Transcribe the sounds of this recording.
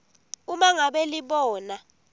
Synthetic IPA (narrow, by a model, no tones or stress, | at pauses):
umaŋaɓeliɓɔːna